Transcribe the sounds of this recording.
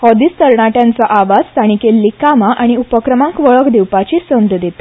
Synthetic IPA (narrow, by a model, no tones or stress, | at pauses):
hɔd̪iːst̪əɾɳaʈjãnt͡saʔaʋad͡zst̪aɽ̃ikelːikamaʔaɽ̃iupəkɾəmãŋkʋəɭəkd̪iwpat͡ɕisənd̪d̪et̪